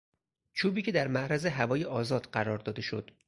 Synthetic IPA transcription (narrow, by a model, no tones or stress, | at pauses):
t͡ʃʰuːbiːcʰe̞d̪æɾmæʔɾæze̞ɦævɒːjeʔɒːzɒːd̪̥ɢæɾɒːɾd̪ɒːd̪e̞ʃo̞̰d̪̥